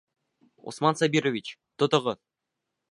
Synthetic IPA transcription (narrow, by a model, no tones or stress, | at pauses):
o̰smɑnsabʲiɾovʲit͡ɕt̪ŏt̪ŏʁɤ